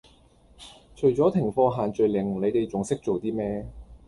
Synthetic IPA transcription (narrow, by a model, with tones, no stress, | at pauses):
t͡ʃʰɵ˨˩t͡sɔː˨˥t̪ʰɪ˨˩ŋfɔː˧ɦaː˨nt͡ʃɵ˨ɥlɪ˨˩ŋ˨˩le˨˧jt̪e˨jt͡sʊ˨ŋsɪ˥k̚t͡so˨wt̪iː˥mɛː˥